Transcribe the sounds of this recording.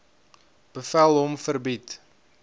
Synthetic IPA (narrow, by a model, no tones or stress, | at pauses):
b̥əfælˠɦɔmfərbit